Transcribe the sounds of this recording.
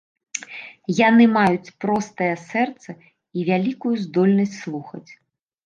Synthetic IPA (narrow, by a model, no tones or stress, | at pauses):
janɨmajut͡sʲpɾɔst̪ɐjɛsɛrt̪sɐ | ivʲalʲikujuzd̪ɔlʲnɐsʲtʲt͡sʲslˠuxɐ̰t͡sʲ